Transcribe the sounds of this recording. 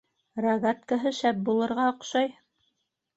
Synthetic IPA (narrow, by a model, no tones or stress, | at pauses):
rɐɣat̪kaɦɤʃæp̚bulˠɤ̆ɾʁɑŏqʃɑj